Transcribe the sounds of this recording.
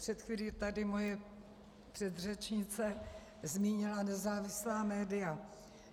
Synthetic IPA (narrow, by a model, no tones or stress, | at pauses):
pr̥ɛt̪xviːliːt̪adɪmo̞jɛ | pr̥ɛd̪r̝ɛt͡ʃɲɪt͡sɛ | zmiːɲɪlanɛzaːvɪslaːmɛːdɪja